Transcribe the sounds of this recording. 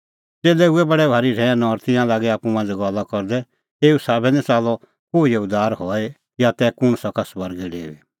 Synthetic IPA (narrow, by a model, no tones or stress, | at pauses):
t͡seːlɛuɛbɐɽɛbʱaːɾiɾɛãnɔːɾt̪ɪjãlaːɡɛaːpumãnd͡zɡɔlːakɔɾd̪ɛ | eːusaːbɛnɛ̃t͡saːlɔ | koːijɐud̪aːɾɦɔɛ | jat̪ɛkʊɽ̃sɔkasbɐɾɡɛɖḛːʋḭ